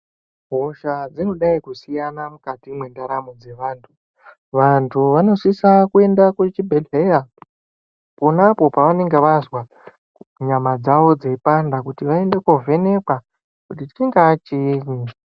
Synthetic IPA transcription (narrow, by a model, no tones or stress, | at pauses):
ɦo̞ʃad͡zino̞ɗaikusijanamukatimwe̞ndaɾamod͡ze̞ʋaːntʰu | ʋantʰuʋano̞ʂisakue̞ndakut͡ʃibʱeleja | po̞napo̞paʋane̞ŋɡe̞ʋazwa | ɲamad͡zaʋo̞d͡zeipandakutiʋae̞nde̞kove̞ne̞ka | kutiti̥t͡ʃiŋɡaːt͡ʃiːɲi